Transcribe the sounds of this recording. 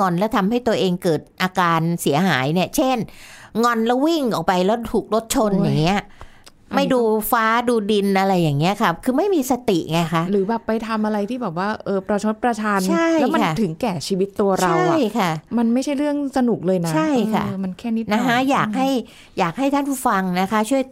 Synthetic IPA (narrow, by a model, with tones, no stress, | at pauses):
ŋɔ˧nlɛː˦˥t̪ʰa˧mɦa˥˩jt̪u˧ɐʔeː˧ŋkɤː˨˩t̪̚ʔaː˧kaː˧nsi˩˦ɐɦaː˩˦jni˥˩ɐt͡ɕʰe˥˩nŋɔ˧nlɛ˦˥wi˥˩ŋʔɔ˨˩k̚pa˧jlɛː˦˥t̪ʰuː˨˩k̚lo˦˥t̪̚t͡ɕʰo˧njaː˨˩ŋːi˦˥ɐ | ma˥˩jduː˧faː˦˥duː˧di˧nʔa˧ɾa˧jːaː˨˩ŋːi˦˥ɐkʰa˦˥kʰɯː˧ma˥˩jmiː˧sa˧t̪i˨˩ʔŋa˧jkʰa˦˥ʔɾɯː˩˦bɛː˨˩pːa˧jt̪ʰa˧mʔa˧ɾa˧jt̪ʰiː˥˩bɛː˨˩p̚waː˥˩ʔɤː˧ɾa˧wt͡ɕʰa˧˦˥t̪̚pɾa˧t͡ɕʰaː˧nt͡ɕʰa˥˩jɛ˦˥ma˧an˥˩t̪ʰɯ˩˦ŋkɛː˨˩t͡ɕʰiː˧wi˦˥t̪ːu˧ɐɾa˧wjkʰa˥˩ma˧nma˥˩jt͡ɕʰa˥˩jɾɯ˥˩əŋsa˧nu˨˩k̚lɤː˧jnat͡ɕʰa˥˩jkʰa̰˥˩˧ma˧nkʰɛː˥˩ni˦˥na˦˥ɦa˦˥jaː˨˩k̚ha˥˩j | jaː˨˩k̚ɦa˥˩jt̪ʰa˥˩npʰuː˥˩fa˧ŋna˦˥kʰa˦˥t͡ɕʰu˥˩əj